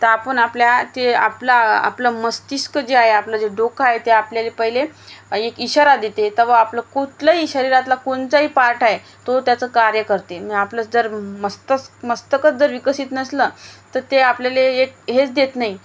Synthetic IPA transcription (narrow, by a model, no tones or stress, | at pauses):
t̪əɾapəɳapljat̪ea̰plaa̰pləməst̪iskəd͡ʑeaɦeaplad͡ʑeɖokʰaɦet̪eapljalepəɦileekiɕaɾad̪et̪et̪əʋəapləkuʈ̪ləɦiːɕəɾiɾat̪lakoɳt͡saɦiːpaɾʈʰaɦe | t̪ot̪jat͡səːkaɾjəkəɾt̪eməaplət͡sd͡zəɾməst̪əsməst̪əkət͡sd͡zəɾʋikəsiːt̪nəslət̪əɾt̪eapljaleːk̚ɦet͡sd̪et̪naɦi